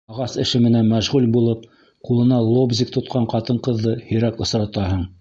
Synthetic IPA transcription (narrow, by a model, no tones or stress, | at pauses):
ɑʁɑsɘ̆ʃɘmɘ̆nænmæʒʁʉlbulˠɤp̚ | qulˠɤ̆nɑlˠobzʲik̚t̪ŏt̪̚qɑɴqɑt̪ɤɴqɤ̆ðːɤhɵ̆ɾækŏsɾɑt̪ɑɦɤɴ